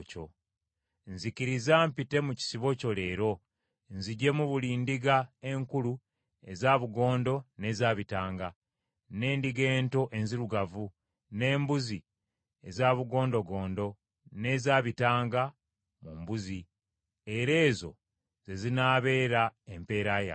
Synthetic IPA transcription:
co̰ | nziciɾizampite̞muci̥siβo̞co̞le̞ːɾo̞ | nziɟe̞muβuliːndiɡae̞ŋkulu | e̞zaːβuɡo̞ːndo̞ne̞zaːβitaːŋɡa | ne̞ːndiɡe̞ːnto̞ʔe̞nziɾuɡavu | ne̞ːmbuzi | ezaːβuɡo̞ːndo̞ɡo̞ːndo̞ | ne̞zaːβitaːŋɡa | mumbuzi | e̞ɾe̞ːzo̞̰ | z̥e̞zinaːβe̞ːɾaempe̞ːɾaːja̰

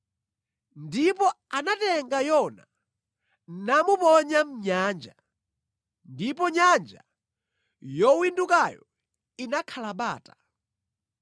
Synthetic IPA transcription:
ndipɔanatɛŋɡajɔna | namupɔɲam̩ɲaːnd͡ʒa̰ | ndipɔɲand͡ʒa̰ | jɔwindukajɔ̰ | inakʰalaɓaːtḁ

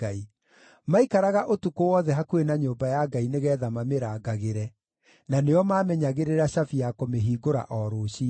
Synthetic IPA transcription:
ai | maikaɾaɣaʔotukowɔðɛɦakuenaɲoːbajaɡaineɣɛːðamameɾaːɡaɣeɾɛ | naneɔmaːmɛɲaɣeɾeɾaɕafijakomeɦiːɡoɾa̰ʔɔɾoːɕi

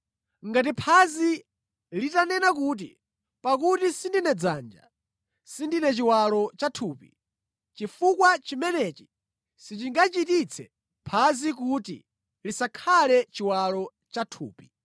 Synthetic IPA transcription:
ŋɡat̬ipʰazi | litanɛnakuːt̬ḭ | pakutisindinɛd͡zaːnd͡ʒa̰ | sindinɛt͡ʃiwalɔt͡ʃatʰuːpḭ | t͡ʃifukwat͡ʃimɛnɛt͡ʃi̥ | sit͡ʃiŋɡat͡ʃitit͡sʰɛ̰ | pʰazikutḭ | lisakʰalɛt͡ʃiwalɔ | t͡ʃatʰṵːpi̥

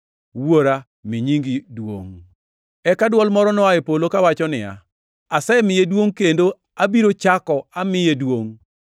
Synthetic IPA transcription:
woɾa | miɲiŋɡidwo̰ŋ | ɛkadwɔlmɔɾɔnɔaɛpolokawat͡ʃɔnɪja̰ | asɛmɪjedwoŋkendo | abiɾot͡ʃakɔamɪjedwoŋ

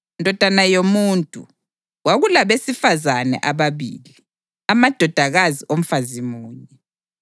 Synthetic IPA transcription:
ndʱɔd̥ʱanajomuntʼṵ | waɣulaβesifazanɛ̰ʔaβaβḭːli | amad̥ʱɔd̥ʱaɣaziʔom̩fazimuːɲɛ

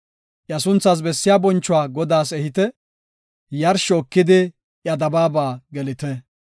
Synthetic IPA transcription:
ʔjɐsʊnt͡sːɐs̬bɛsːɪjaːbɔnt͡ʃːʊwaːɡɔd̪aːsɛhɪt̪ɛ | jɐɾʃɔkːɪd̪ɪ | ʔjɐd̪ɐbaːbaːɡɛlɪt̪ɛ

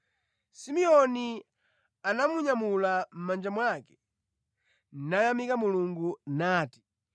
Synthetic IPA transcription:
simiɔni | anamuɲamulam̩mand͡ʒamwakɛ̥ | najamikamuluŋɡunaːti̥

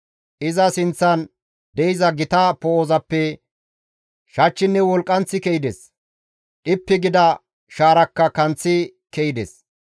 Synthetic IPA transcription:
ʔɪzɐsɪnt͡sːɐn | d̪ɛjɪzɐɡɪt̪ɐpoːzɐpːɛ | ʃɐt͡ʃːɪnːɛwɔlkʼːɐnt͡sːɪkɛjɪd̪ɛs | ᶑɪpːɪɡɪd̪ɐ | ʃaːɾɐkːɐkɐnt͡sːɪkɛjɪd̪ɛs

